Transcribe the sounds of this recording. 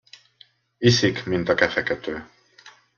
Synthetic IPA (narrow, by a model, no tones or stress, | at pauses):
isikmint̪ɒkɛfɛkɛt̪øː